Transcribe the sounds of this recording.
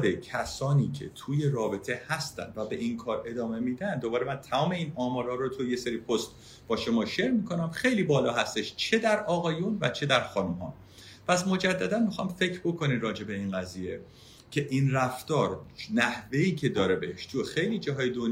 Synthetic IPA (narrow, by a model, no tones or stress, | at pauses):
becʰæsɒːniːcʰe̞̰t̪ʰuːje̞ɾɒːbe̞t̪ʰe̞hæst̪æ̰nd̪væbe̞ʔinkʰɒːɾe̞d̪ɒːme̞miːd̪ænd̪d̪obɒːɾemænt̪ʰæmɒːme̞iːnɒːmɒːɾɒːɾot̪ʰujeseɾipʰost̪ | b̥ɒːʃo̞mɒːʃeɾmiːkʰo̞næmxe̞jliːbɒːlɒːɦæst̪eʃt͡ʃʰe̞d̪æɾɒːɣɒːjunvæt͡ʃʰe̞d̪æɾxɒːnumɦɒ̰ː | pʰæsmo̞d͡ʒæd̪ːæd̪ænmixɒjmfe̞cʰɾbo̞kʰo̞nirɒːd͡ʒe̞be̞inɢæziːje̞ | cʲʰe̞ʔinræft̪ɒːɾnæhve̞iːcʰe̞d̪ɒːɾebeheʃt̪ʰujexejliːd͡ʒæɦɒːjed̪on